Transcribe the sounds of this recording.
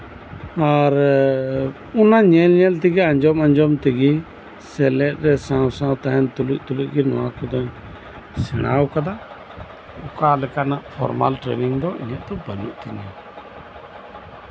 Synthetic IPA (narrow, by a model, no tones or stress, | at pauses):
aɾ | unaɲɛlɲɛlt̪̬iɡiaɲd͡ʒɔmaɲd͡ʒɔmt̪iɡi | sɛlɛt̪̚ɾɛsãwsãwt̪aɦɛnt̪uluʔ̚t̪uluʔ̚ɡinɔwakud̪ɔɲ | sɛña̰wkad̪a | ukalɛkanaʔpʰɔ̰ɾma̰lʈɾɛ̰niŋd̪ɔḭɲɛʔt̪ɔbanṵʔt̪iɲɛ